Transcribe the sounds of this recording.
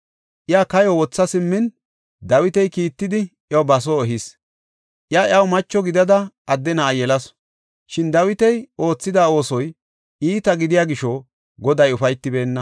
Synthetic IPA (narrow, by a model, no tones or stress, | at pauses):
ʔɪjaːkɐjɔwɔt͡sːɐsɪmːɪn | d̪ɐwɪt̪ɛjkiːt̪ːɪd̪ɪ | jɐwbɐs̬oɛɦɪs | ʔɪjaːjɐwmɐt͡ʃːɔɡɪd̪ɐd̪ɐ | ɐd̪ːɛnaːjɛlɐs | ʃɪnd̪ɐwɪt̪ɛjo̞ːt͡sːɪd̪aːo̞ːsɔj | iːt̪ɐɡɪd̪ɪjaːɡɪʃɔ | ɡɔd̪ɐjʊfɐjt̪ːɪbe̞ːnːɐ